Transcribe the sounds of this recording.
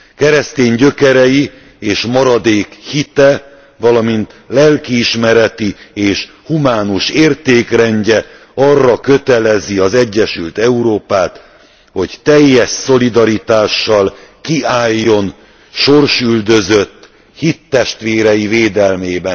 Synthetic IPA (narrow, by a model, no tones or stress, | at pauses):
kɛɾɛst̪eːɲɟø̞kɛɾɛji | eːʃmɒɾɒd̪eːkhit̪ɛ | vɒlɒmint̪lɛlkiːʃmɛɾɛt̪ieːʃ | humaːnuʃeːrt̪eːkrɛɲɟɛ | ɒrːɒkø̞t̪ɛlɛziɒzɛɟːɛʃylt̪ɛuɾoːpaːt̪ | ho̞ɟt̪ɛjːɛʃso̞lid̪ɒɾit̪aːʃːɒlkiaːjːo̞n | ʃo̞rʃyld̪ø̞zø̞t̪ː | hit̪ːɛʃt̪ʋeːɾɛjiveːd̪ɛlmeːbɛn